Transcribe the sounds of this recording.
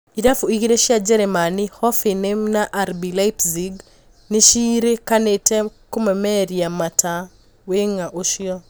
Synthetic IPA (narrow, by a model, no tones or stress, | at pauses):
idafuiɣiɾeʃiad͡ʒɛɾɛmanihɔfenemnaʔːɾbilaipsiɡ | neʃiɾekanetɛkumɛmɛɾiamatʰa | weŋaʔoʃjɔ